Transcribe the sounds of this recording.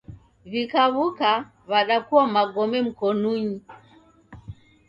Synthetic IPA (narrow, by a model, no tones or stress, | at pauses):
βikaβuka | βaɗakuwamaɡɔmɛm̩kɔnuɲi